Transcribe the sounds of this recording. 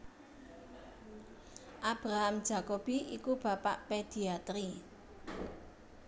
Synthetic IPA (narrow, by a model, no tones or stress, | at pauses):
ʔab̥ɾaɦamd̥ʒ̥a̤kob̥iikub̥a̤pa̰ʔped̪̥i̤at̪ɾi